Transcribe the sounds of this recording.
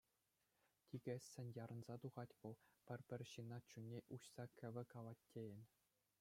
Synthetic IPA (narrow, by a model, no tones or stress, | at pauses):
tʲiɡʲɘ̆ssʲɘ̆nʲjɑɾɤ̆nzɑt̪uʁɑtʲʋɤ̆lˠpʲɘ̆rʲpʲɘ̆rʲɕɯnɑt͡ɕunʲːeʔuɕsɑkʲʰɘ̆ʋʲɘ̆kɑlˠɑtʲːejɘ̆nʲ